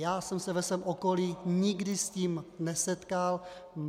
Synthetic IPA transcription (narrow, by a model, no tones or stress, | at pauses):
jaːsɛmsɛvɛsʋɛːmʔokoliːɲɪɡdɪsciːmnɛsɛt̪kalm